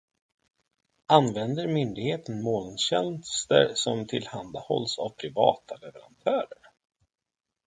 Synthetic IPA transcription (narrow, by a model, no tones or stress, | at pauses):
anvɛnd̪əɾmʏnd̪ɪɡheːt̪ənmoːlnɕɛnst̪ə̰ɾsɔmt̪ʰɪlhand̪ahɔ̰lsavpʰɾɪvɑ̰ːt̪ʰalɛvɛɾa̰nt̪ʰœːɾəɾ